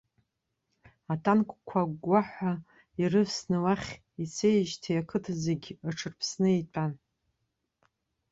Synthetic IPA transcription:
atʰankʷʼkʷʰaɡʷaħʷa | irɨvsnɨwaχʲ | it͡sʰejʒtʰijakʰɨtʰazeɡʲaʈ͡ʂʰɨrpʰsnɨejtʼan

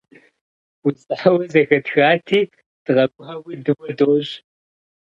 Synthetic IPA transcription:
ut͡sʼɐħɐwɐzɐxɐtxaːtʰiː | d̥ɨʁɐbʷʊχɐwʷidɨwʷɐdoːɕʼ

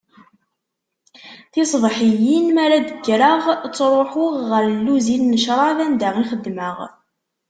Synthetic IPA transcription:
θɪsˤðˤħijinmæɾæd̪əɡːɾəʁt͡sːɾˤoħʊʁːəɾlːuzinːəʃɾˤɑvænd̪əʁiχəd̪ːməʁ

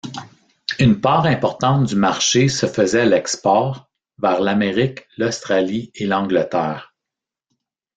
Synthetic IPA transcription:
ynpɑːʁɛ̃pɔʁt̪ɑ̃t̪̚d̪ymaʁʃesəfəzɛalɛkspɔːʁ | vɛːʁlameʁɪklɔst̪χalielɑ̃ɡlət̪ɛːʁ

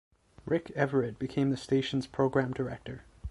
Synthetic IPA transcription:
ɹɪkɛvə˞ɨd̚bɨkʰẽɪ̃mðɨsteɪʃn̩z̥pʰɹ̥oʊɡɹæ̃mdə˞ɛk̚tə˞

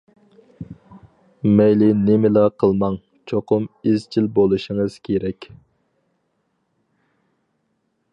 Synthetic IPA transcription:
mɛjlɪnɪmɪlɑqʰəlˠmɑŋ | t͡ʃʰoqʊmizt͡ʃʰilbolˠuʃiŋəz̥kʲʰeɾɛkʲ

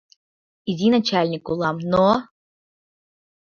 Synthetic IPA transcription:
izʲinat͡ɕalʲnʲikulˠɑmno

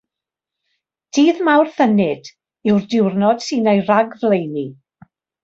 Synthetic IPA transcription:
d̥ʰiːðmawrθənɪd̥ | ɪwrdɪwrnɔd̥sɨːnejraɡvlejni

